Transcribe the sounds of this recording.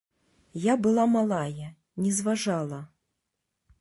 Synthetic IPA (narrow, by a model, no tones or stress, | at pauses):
jabɨlˠamalˠajɐ | nʲɛzvaʐalˠɐ